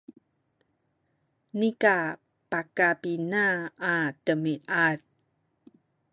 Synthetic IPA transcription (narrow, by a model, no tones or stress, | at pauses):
nika | pakapinaːtəmiʔat̚